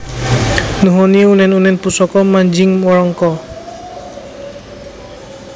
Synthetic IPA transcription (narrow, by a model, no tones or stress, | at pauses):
nuɦɔniunɛnunɛnpusɔkɔmaɲd͡ʒɪŋmɔɾɔŋkɔ